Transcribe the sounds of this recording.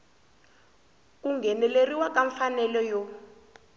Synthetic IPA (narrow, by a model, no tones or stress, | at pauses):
k̬ʼuŋɡʱɛnɛleriwakaɱfanɛlɔjɔ